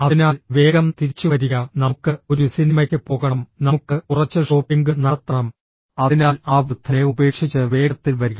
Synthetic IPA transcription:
ɐðinaːlʋe̞ːɣɐmt̪iɾit͡ɕːuʋɐɾiɣɐnɐmukːɨo̞ɾusinimɐkʲːɨpo̞ːɣɐɳɐmnɐmukːɨurɐt͡ɕːɨʂo̞ːpiŋɡɨnɐrt̪ːɐɳɐm | ɐðinaːlaːbɨt̪ʰːɐeube̞ːkʂit͡ɕːɨʋe̞ːɣɐt̪ːilʋɐɾuɣɐ

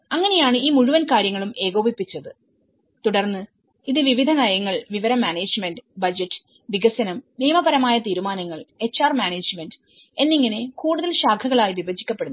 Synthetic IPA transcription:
ɐŋːɐne̞jaːɳɨiːmuɻuʋɐnkaːɾjɐŋːɐɭumʔe̞ːɣoːbipːit͡ɕːɐðɨ | t̪uɽɐrnːɨ | iðɨʋiʋid̪ʱɐnɐjɐŋːɐɭʋiʋɐɾɐmːaːneːd͡ʑmenɖɨbɐd͡ʑetːɨ̥ | ʋiɡɐsɐnɐmːiːmɐbɐɾɐmaːjɐt̪iːɾumaːnɐŋːɐɭe̞t͡ɕːaːrmjaːneːd͡ʑmendɨ | e̞nːiŋːɐne̞kuːɽuðɐlɕaːkʰɐɣɐɭaːjiʋibɐd͡ʑikʲːɐpːe̞ɽunː

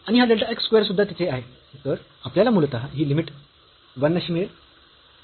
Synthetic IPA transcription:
aɽ̃iɦad̪eɭʈaekskʋeɾsud̪ʱːat̪at͡seaɦe | t̪əɾ | apljalamult̪aɦiːlimiʈ | ʋənːəɕiːmiɭeɾ

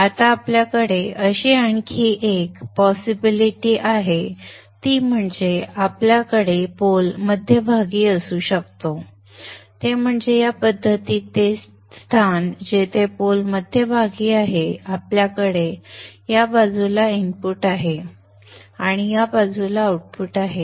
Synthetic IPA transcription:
at̪aːpljakəɽeəɕiaɳkʰiːʔekpɔsibiliʈiːʔaɦe | t̪iːm̤əɳd͡zeapljakəɽepolməd̪ʱːjəbʱaɡiːəsuːɕək̚t̪o | t̪em̤əɳd͡zejapəd̪ʱːət̪iːt̪es | st̪ʰand͡ʑet̪epolməd̪ʱjəbʱaɡiːaɦeapljakəɽejabad͡zulaimpuːʈaɦe | aɽ̃ijabad͡zulauʈ̚fuːʈaɦe

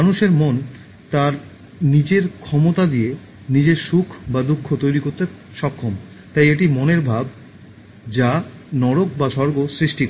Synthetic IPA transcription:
anuʃeɾmon | t̪aɾ | nid͡ʑeɾkʰɔmot̪ad̪ie | nid͡ʑeɾʃukʰbad̪ukʰːot̪ojɾikoɾt̪e | ʃɔkʰːom | t̪ajeʈimoneɾbʱab̚ | d͡ʑanɔɽok̚baʃɔɾɡosɾiʃʈikɔ

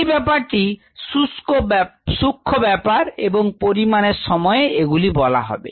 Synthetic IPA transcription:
jbɛpaɾʈi | suskosukʰːobɛpaɾebɔŋpoɾimaneɾsɔmɔjeeɡulibɔla̰ɦɔ̰bḛ

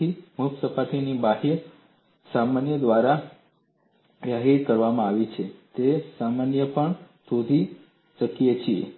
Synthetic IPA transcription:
imuksəpat̪inibaɦeɾ | samanjəd̪ʋaɾa | ʋjaɦiɾkəɾʋamãaʋit͡ʃʰet̪esamanjəpəɳsud̪ʱi | t͡ʃəkijet͡ʃʰiḛ

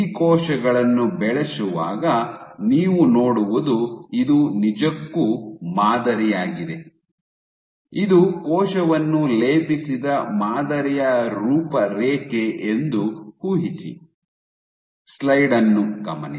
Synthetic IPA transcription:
ikɔːʃɐɡɐɭɐnːubɛɭesuʋa̰ːɡɐniːʋunoːɽuʋud̪uid̪unid͡ʒɐkːumaːd̪ɐɾijaːɡid̪e̞ | id̪ukɔːʃɐʋɐnːuleːpisid̪ɐmaːd̪ɐɾɛjɐɾuːpɐɾeːkeʔend̪uhuːɦit͡ʃḭ | slɐjɖɐnːukɐmɐ̰n

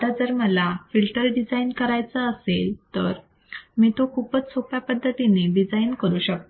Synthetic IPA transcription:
t̪ad͡zəɾməlafilʈəɾɖid͡zainkəɾajt͡səːselt̪əɾ | miːt̪okʰuːpət͡st͡sʰopjapəd̪ʱːət̪ineɖid͡zainkəɾuːɕək̚t̪

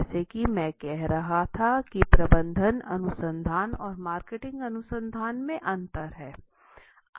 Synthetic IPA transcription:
sekimɛ̃ːkɛɦɾɐɦat̪ʰakipɾɐbə̃nd̪ʱənɐ̰nʊsə̃nd̪ʱaːnɔːɾmaːɾkeːʈɪ̃ŋɡɐnʊsə̃nd̪ʱaːnmẽʔɐ̃nt̪əɾɦɛː

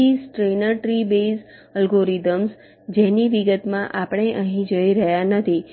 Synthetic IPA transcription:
isʈɾenəɾʈɾibes | əlɡoɾid̪əms | d͡ʒeniʋiɡət̪mãʔapəɽ̃eʔəɦĩd͡ʒəiɾəɦjanət̪ʰi

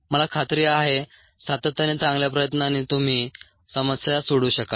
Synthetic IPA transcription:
məlakʰat̪ɾiːaɦe | sat̪ət̪ːjanet͡sãŋɡljapɾəjət̪nanit̪um̤iː | səməsjasoɽuːɕəka

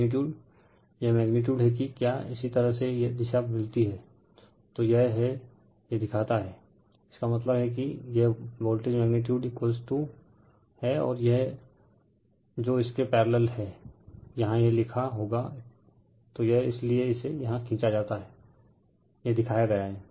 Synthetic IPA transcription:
nɪʈ̬juːɖ | jeɦmɛːɡnɪʈ̬juːɖɦɛk̬ikjaːɪsit̪ɐɾəɦsejed̪ɪʃamɪlt̪iɦɛː | t̪ojɛɦɦɛ | jed̪ɪkʰaːt̪aɦɛː | ɪ̥skamɐt̪̬ləbɦɛk̬ijeɦboːlʈɪd͡ʒmɛːɡnɪʈ̬juːɖkoːsʈ̪u | hɛɔ̰ːɾjɛɦ | d͡ʒoːɪskepɛːɾləlɦɛːjɐɦãjelɪkʰaɦoːɡa | t̪ojeɦɪslieɪsejɐɦãkʰĩːt͡ʃad͡ʒaːt̪aɦɛː | jeɦd̪ɪkʰaːjaɡɐjaɦɛː

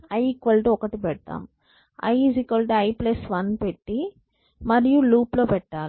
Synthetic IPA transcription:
ɐjikʋɐlʈiɔkɐʈipɛɽt̪ːa̰ːm | ɐ̰jzikʋɐlʈiɐjplɐsʋɐnpeʈːi | mɐɾijuluːplo̞ːpɛʈːaːl

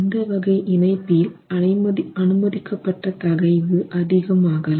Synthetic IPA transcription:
nd̪ɐʋɐɣɐɪʔɪnɐɪpːɪlɐnɐɪmɐɐnɯmɐðɪkːɐpːɐʈːɐt̪ɐɣɐɪʋɯʔɐðɪɣɐmaːɣɐ

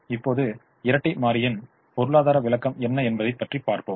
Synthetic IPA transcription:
ɪpːoːðɯ | ɪɾɐʈːɪmaːɾɪjɪn | pɔɾɯɭaːðaːɾɐʋɪlɐkːɐmɛnːɐɛnbɐðɐɪpːɐʈripːaːɾpoːm

